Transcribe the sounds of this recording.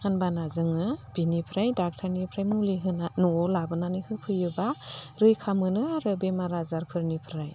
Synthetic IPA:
hanbanazɯŋɯb̥inipʰɾajdak̚tʰaɾnipʰɾajmuliɦɯnanuɔlabɯnanɯkʰɯpʰɯjɯba | ɾɯjkʰamɯnɯaɾɯbemaɾazaɾpʰɯɾnipʰɾaj

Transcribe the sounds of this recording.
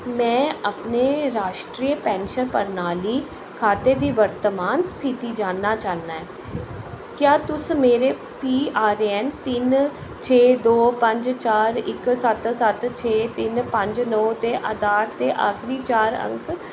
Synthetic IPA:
mɛ̃ːəpneːɾaːʃʈɾiːəpɛːnʃəɾpəɾnaːliː | kʰaːt̪eːd̪iːʋəɾt̪əmaːnst̪ʰit̪iːd͡ʒaːnːaːt͡ʃaːnːaːɛː | kjaːt̪ʊsmeːɾeː | piːaːɾɛnt̪ɪn | t͡ʃʰeːd̪oːpə̃ɲd͡ʒt͡ʃaːɾɪ̰ksət̪sət̪t͡ʃʰeːt̪ɪnpə̃ɲd͡ʒnɔːt̪eːʔəd̪aːɾt̪eːʔa̰ːkʰɾiːt͡ʃaːɾə̰̃ŋk

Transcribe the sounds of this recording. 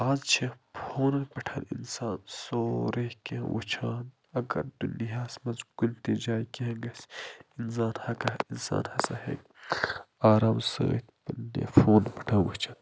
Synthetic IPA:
aːzt͡ʃʰepʰoːnɐlpɐʈʰɐnḭnsaːnsoːɾehkẽwʔut͡ʃʰaːn | ɐɡɐɾd̪unjaːsmɐzɡ̥unt̪ed͡ʒaːjkeɦɐ̃ŋɡɐsinsaːnhɐkɐinsa̰ːnhɐsɐhḛk | aːɾaːmsə̰ːt̪pɐnːḛfʰoːnpɐʈʰɐwut͡ʃʰaːn

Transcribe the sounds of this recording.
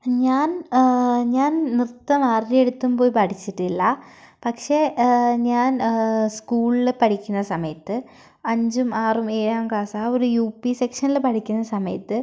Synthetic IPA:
ɲaːn | ɲaːnnirt̪ːɐmaːrie̞ɽut̪ːumboːjpɐʈʰit͡ɕːiʈːilːɐ | pɐkʂe̞ːɲaːnskuːɭilpɐʈikʲːunːɐsɐmɐjɐt̪ːɨ | ɐɲd͡ʑumaːrume̞ːɻaːmkaːsaːo̞ɾujuːpːise̞kʂɐnilpɐʈʰikʲːunːɐsɐmɐjɐt̪ːɨ

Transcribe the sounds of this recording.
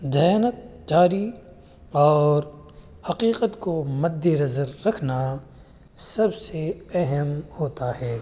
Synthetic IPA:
d͡ʒɐjaːnət̪̚d͡ʒaːɾi | ɔːɾ | hɐqiːqət̪komɐd̪ːenɐzəɾːɐkʰna | sɐbseɛɦɛmhoːt̪aɦɛː

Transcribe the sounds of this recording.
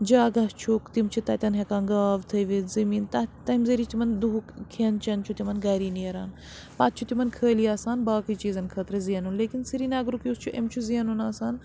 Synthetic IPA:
d͡ʒaːɡɐɦt͡ʃʰukt̪imt͡ʃʰit̪ɐt̪ʲɐnɦekaːŋɡaːʋt̪ʰɐʋizɐmiːnt̪ɐt̪ɐmzɐɾit̪imɐnd̪uɦkʰːent͡ʃɐnt͡ʃʰut̪imɐnɡɐɾiːniɐɾaːn | pɐt̪̚t͡ʃʰut̪ʲimɐnkʰəːliaːsaːnbaːkiːt͡ʃiːzɐnkʰɐːt̪ɾɐzijɐnunleːkinsiɾinaːɡɾukjust͡ʃʰuʔemt͡ʃʰuzijɐnunaːsaːn

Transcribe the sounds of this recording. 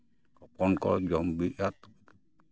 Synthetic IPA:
kɔpɔnkɔ̰d͡ʒɔmbiʔat̪

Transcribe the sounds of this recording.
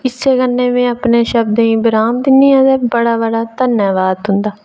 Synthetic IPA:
ɪseːɡənːẽːmẽːəpneːʃəb̚d̪ẽĩːbɪɾaːmd̪ɪnːiːəd̪eːbəɽaːbəɽaːt̪ənjaːʋaːd̪ɦʊnd̪aː

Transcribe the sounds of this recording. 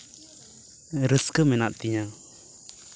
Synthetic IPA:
ɾəskəmɛnaʔt̪iɲə

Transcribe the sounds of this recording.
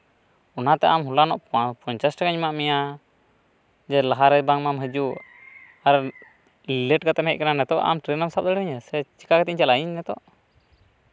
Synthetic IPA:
ɔnat̪ɛʔamɦulanɔʔpɔɲt͡ʃasʈakaɲmaʔmija | d͡ʒɛlaɦaɾɛbaŋmamɦəd͡ʒu | aɾ | iləʈ̚kat̪ɛmhɛc̪ʔ̚kananɛt̪ɔʔa̰mʈɾɛnamsap̚d̪əɽiɲasɛt͡ʃi̥kakat̪iɲt͡ʃalaiɲnɛt̪ɔʔ

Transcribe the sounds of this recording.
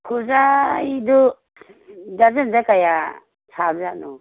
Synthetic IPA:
kʰuzaidu | dazendakaja | tʰabzanɔ

